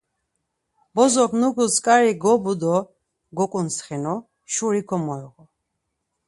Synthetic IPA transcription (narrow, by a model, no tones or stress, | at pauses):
bɔzɔχnuɡuskʼaɾiɡɔbud̪ɔ | ɡɔkʼunsχɛnɔ | ʃuɾikʰɔmɔɛʁɔ